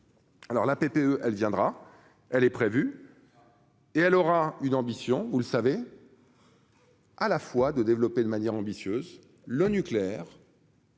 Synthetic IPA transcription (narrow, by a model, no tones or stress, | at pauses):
alɔʁlapepeøʔɛlvjɛ̃d̪ʁa | ɛlɛpχevy | eɛlɔʁaynɑ̃bisjɔ̃vuləsave | alafwad̪əd̪evlɔped̪əmanjɛʁɑ̃bisjøz | lənykleɛʁ